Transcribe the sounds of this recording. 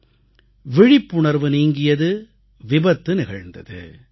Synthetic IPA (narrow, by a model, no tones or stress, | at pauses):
ʋɪɻɪpːʊɳɐɾʋɯniːŋɡɪjɐðɯ | ʋɪbɐt̪ːɯnɪɣɐɻnd̪ɐ̰ðɯ̰